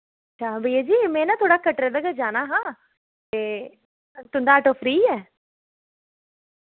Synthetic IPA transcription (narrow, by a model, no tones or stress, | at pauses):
ət͡ʃʰaːbʱəijaːd͡ʒiːmɛ̃ːnãːt̪ʰoːɽaːkəʈɾeːd̪aɡəd͡ʒaːnaːɦãː | t̪eː | t̪ʊnd̪aːʈoːfʰɾiːɛː